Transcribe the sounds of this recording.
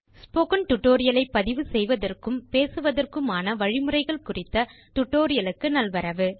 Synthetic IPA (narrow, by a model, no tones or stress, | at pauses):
spoːkɐnt̪ʊʈːoːɾɪjɐlɐɪpːɐðɪʋɯsɛjʋɐðɐrkɯmpeːsɯʋɐðɐrkɯmaːnɐʋɐɻɪmɯrɐɪɣɐɭkʊrɪt̪ːɐ | t̪ʊʈːoːɾɪjɐlɯkːɯnɐlʋɐɾɐʋɯ